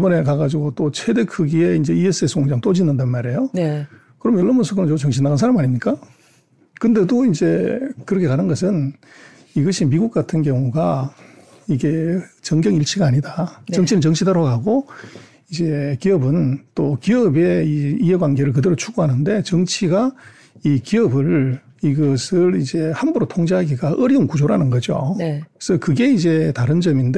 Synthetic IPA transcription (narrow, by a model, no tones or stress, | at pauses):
ibʌne̞kaɡad͡ʑiɡot͈ot͡ɕʰedekʰɯɡie̞ind͡ʑe̞ies͈ɯesʰoŋd͡ʑaŋt͈od͡ʑinɯndanmaɾe̞jon | kɯɾʌmʌɭːʌmosʰokʰɯnɯnot͡ɕʌŋɕʰinːaɡansʰaɾamaɲimɲik͈a | kɯnde̞doind͡ʑe̞kɯɾʌkʰe̞kanɯnɡʌs̬ʰɯn | iɡʌɕʰimiɡuk͈atʰɯnkjʌŋuɡa | iɡe̞t͡ɕʌŋɡjʌŋiɭt͡ɕʰiɡaːɲidat͡ɕʌŋt͡ɕʰinɯnt͡ɕʌŋt͡ɕʰidʌɾaɡaɡo | id͡ʑe̞kiʌbɯnt͈okiʌbe̞iieɡwanɡe̞ɾɯɭkɯdeɾot͡ɕʰuɡoɦanɯnde̞t͡ɕʌŋt͡ɕʰiɡa | ikiʌbɯɭ | iɡʌsʰɯɾid͡ʑe̞hanbuɾotʰoŋd͡ʑeɦaɡiɡaʔʌɾiunkud͡ʑoɾanɯnɡʌd͡ʑo̰esʰʌkɯɡe̞id͡ʑe̞taɾɯnd͡ʑʌminde